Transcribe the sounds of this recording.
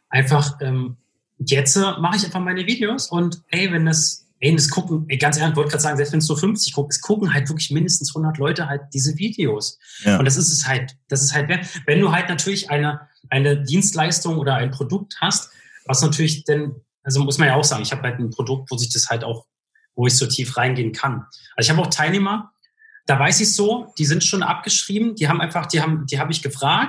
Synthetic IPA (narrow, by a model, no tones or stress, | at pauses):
ʔaɪnfaχʔɛːm | jɛt͡səmaχəɪçʔaɪnfaχmaɪnəviːdeoːsʊntɛɪvɛndasʔɛɪndaskʰʊkŋ̩ʔɛɡ̥ant͡sʔɛɐlçv̥ɔt̚əɡʁaːtzaːɡŋzɛlpstvɛnsnuɐfʏnft͡sɪçkʰʊk̚tɪ̥skʰʊkŋ̩haltv̥ɪɐklɪçmɪndəstn̩shʊndɐtlɔʏtəɦalt̚d̥iːzəviːdeoːsʔʊntd̥as̬ɪstɛshaltd̥as̬ɪsthaltv̥ɛːɐtvɛnduːɦaltnatʰyːɐlɪçʔaɪnə | ʔaɪnədiːnstlaɪstʊŋʔoːdɐaɪnpʁ̥odʊk̚thast | vasnatʰyːɐlɪçd̥an | ʔalzomʊsmanjaːaʊxz̥aːɡŋ̩ɪçhaːbəhaltn̩pʁ̥odʊk̚tv̥oːzɪçd̥ashalta̰ʊx | voːɪçz̥oːtʰiːfʁaɪnɡeːnkʰanʔalzoɪçhaːbaʊxtʰaɪlneːmɐ | d̥aːvaɪsɪçz̥oːd̥iːzɪntʃoːnʔa̰p̚ɡ̥əʃʁ̥iːbm̩d̥iːɦaːmʔa̰ɪnfaχd̥iːhaːbm̩diːɦaːbəɪçɡ̥əfʁ̥aːk̚t